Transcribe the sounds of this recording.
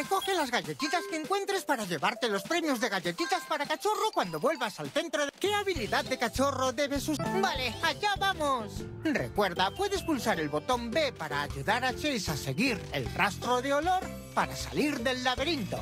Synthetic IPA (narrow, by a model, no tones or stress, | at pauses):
reko̞xe̞lazɣaʝe̞t̪it̪askeeŋkwe̞nt̪ɾe̞spaɾaʎe̞βaɾt̪e̞lo̞spɾe̞mjo̞zðe̞ɣaʝe̞t̪it̪aspaɾakat͡ʃo̞ro̞kwand̪o̞βwe̞lβasalθe̞nt̪ɾo̞ke̞aβiliðaððe̞kat͡ʃo̞ro̞ðe̞βe̞subale̞aʝaβamosre̞̰kwe̞ɾðapwe̞ðe̞spulsaɾe̞lβo̞t̪o̞mbe̞paɾaːʝuðaɾat͡ʃejsase̞ɣiɾe̞̰lrast̪ɾo̞ðeo̞lo̞ɾ | paɾasa̰liɾðe̞lːaβe̞ɾint̪o̞̰